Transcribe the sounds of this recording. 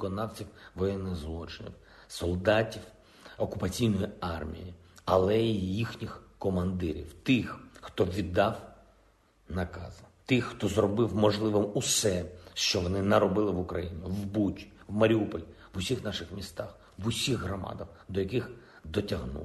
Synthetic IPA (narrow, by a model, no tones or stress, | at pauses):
kɔnɑwt͡sʲiwʋɔjɛnːɪɣzlˠɔt͡ʃɪnʲḭw | sɔlˠd̪ɑtʲiw | ɔkʊpɐt͡sʲijnɔjiɑrmʲḭji | ɐlˠɛijixnʲixkɔmɐnd̪ɪɾʲḭwt̪ɪxxt̪ɔʋʲid̪ːɑw | nɐkɑ̰zɐt̪ɪxt̪ɔzrɔbɪwmɔʒlˠɪʋɪmusɛʃt͡ʃɔʋɔnɪnɐɾɔbɪlˠɪʋʊkɾɐjinʲɪwbutʲi̥ | wmɐɾʲiupɔlʲ | ʋʊsʲixnɑʃɪxmʲist̪ɑx | ʋʊsʲiɣɦɾɔmɑ̰d̪ɐwd̪ɔjɐkɪx | d̪ɔtʲɐɦnṵ